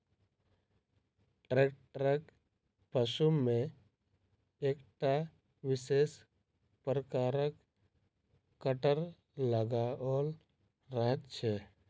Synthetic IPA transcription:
ʈɾeːk̚ʈɾɛk | pəʃumẽ | eːkʈa | ʋɪseːs | pɾəkaːɾək | kəʈəɾ | ləɡaɔːɾ | ɾəɦət̪t͡ʃʰɛː

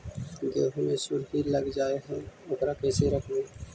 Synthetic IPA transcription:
d̪eːɦmẽsʊɾɦiləɡd͡ʒaːeɦɛ̃ʊkɾakɛːseɾəkʰẽː

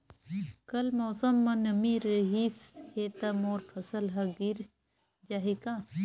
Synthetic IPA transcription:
kɐlmoːsɐmːɐnɐmiɾəɦiːsheːt̪ɐmoːɾpʰɐsɐlɦɐɡiɾ | d͡ʒaɦikã

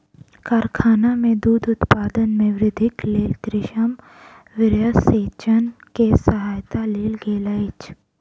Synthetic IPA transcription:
kaːɾkʰaːnamẽd̪uːd̪ʊt̪paːd̪ənmẽʋɾɪd̪ʱɪkleːlɡɾɪʃəm | ʋɪɾjəseːt͡ʃənkesɐɦaːjt̪aleːlɡeːləɪt͡ʃ

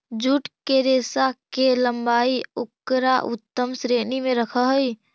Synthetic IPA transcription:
d͡ʒuʈkeɾesakeləmbaːiukːɾaʔut̪ːəmsɾenimeɾəkʰəɦəj

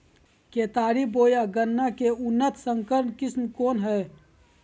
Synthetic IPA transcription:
keːt̪aːɾiboːjaɡənːakeʊnːət̪ʰsəŋkəɾnkɪsmkoːnɦɛː

